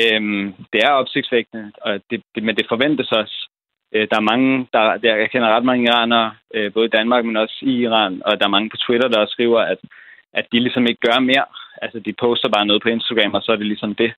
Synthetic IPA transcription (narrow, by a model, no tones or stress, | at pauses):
ømd̥e̝æɐɒ̽b̥se̝ɡ̥̚d̥sʋeɡ̥̚nəɒ̽d̥e̝d̥emend̥e̝fɒ̽ʋen̰d̥əsɒ̽s | ød̥ɑ̈æɐmɑ̈ŋəd̥ɑ̈ɑkʰen̰ɐʁɑd̥mɑ̈ŋəiʁɑ̰̈ːnɐøb̥ɔ̽ːð̞ˠid̥ænmɑ̈ːɡ̥̚menɒ̽siiʁɑ̰̈ːnɒ̽d̥ɑ̈æɐmɑ̈ŋəpʰɒ̽t͡sʰwiɾ̥ɐd̥ɑ̈ɒsːɡ̥ʁḭːʊɐæd̥ | ʔæ̥ilisɒ̽me̝ɡ̥əɡ̥ɶɐme̝ɐ̰ʔælsəd̥ipʰɔ̽ʊsd̥ɐb̥ɑ̈ːnɔ̽ːð̞̩ˠpʰɒ̽e̝nsd̥aɡ̥ʁɛ̰mɒ̽sɒ̽æɐɾe̝lisɒ̽md̥e̝